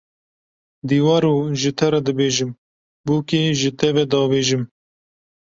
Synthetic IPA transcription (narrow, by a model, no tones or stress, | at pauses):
d̪iːwɑːɾoːʒɨt̪ʰɛɾɛd̪ɨbeːʒɨm | buːkeːʒɨt̪ʰɛvɛd̪ɑːweːʒɨm